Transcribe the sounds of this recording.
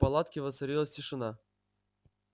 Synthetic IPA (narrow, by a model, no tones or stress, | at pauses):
pɐlˠat̪kʲɪvət̪sɐɾʲilˠəsʲtʲɪʂɨna